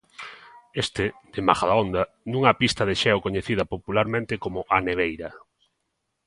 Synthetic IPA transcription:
est̪ɪd̪ema̰xaðaond̪ɐ | nũŋapist̪ɐðeʃɛwkoɲeθiðɐpopulaɾmẽnt̪ɪkomʊʔaneβ̞ejɾɐ

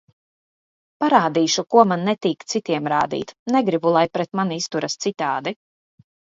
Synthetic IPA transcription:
paɾaːd̪iːʃukuɔmanːɛt̪iːkt̪sit̪iɛmɾa̰ːd̪ḭːt̪nɛɡɾibulˠajpɾɛt̪manist̪uɾast̪sit̪aːd̪i

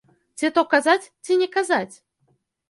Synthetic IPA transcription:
t͡sʲɛt̪ɔkazat͡sʲt͡sʲinʲɛkazat͡sʲ

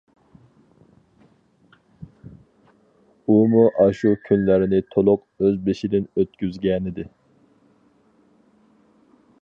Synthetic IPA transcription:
umuʔɑʃukʲʰynlæɾɪnɪt̪ʰolˠʊq | øzbeʃid̪ɪnøt̪̚kʲyzɡʲɛnɪd̪ɪ

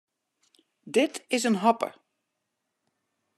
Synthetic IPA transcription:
dɪtɪsənɦɔpə̰

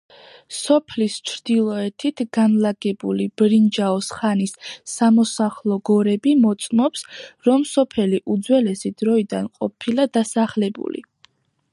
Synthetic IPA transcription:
sɔpʰlist͡ʃʰɾd̪̥ilˠɔɛt̪ʰit̪ʰɡanlaɡɛbulib̥ɾind͡ʒaɔsχanisːamɔsaχlˠɔɡɔɾɛbimɔt̪sʼmɔpsɾɔmsɔpʰɛliʔud̪zwɛlɛsid̪̥ɾɔid̪anqʼɔpʰilad̪asaχlɛbṵlḭ

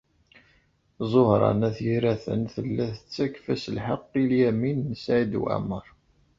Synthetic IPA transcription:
zˤohɾˤɑ̰næθjiɾæθə̰nθəlːæθət͡sːækfæsəlħəqːiljæminːəsʕid̪wæ̰məɾˤ

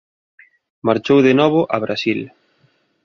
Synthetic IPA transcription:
maɾt͡ʃowðenɔβʊʔaβ̞ɾasil

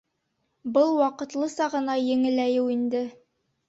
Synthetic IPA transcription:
bɤlˠwɑqɤ̆t̪lˠɤsɑʁɤ̆nɑjɘ̆ŋɘ̆læjɘwind̪ɘ

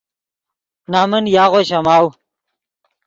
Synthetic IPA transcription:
naːmɐnjaːʁoɕɐmaːw

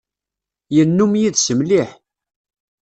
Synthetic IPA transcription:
jənːumjiðsəmliħ

